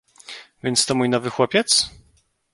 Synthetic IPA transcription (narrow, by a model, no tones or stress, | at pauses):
vʲjɛnt̪st̪ɔmujnɔvɘxwɔpʲjɛt̪s